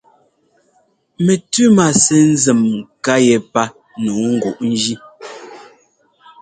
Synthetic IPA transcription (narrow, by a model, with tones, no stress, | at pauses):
me˨tʉ˦ma˨sɛ˦n̩˦zɛ˨mka˦jɛ˨pa˦ | nu˨˦ŋ̩˦ɡu˨ʔn̩˦d͡ʒi˦